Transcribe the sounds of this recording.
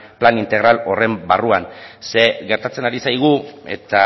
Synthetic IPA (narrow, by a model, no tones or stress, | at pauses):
planint̪e̞ɣ̞ɾalo̞re̞mbaruanse̞ɣeɾt̪at͡se̞naɾisajɣ̞ue̞̰t̪a